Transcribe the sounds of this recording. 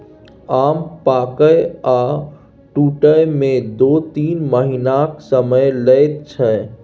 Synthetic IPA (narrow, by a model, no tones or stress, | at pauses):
ampakəja | ʈuʈəjmẽd̪ot̪iːnməɦinaksəməjləjt̪̚t͡ʃʰə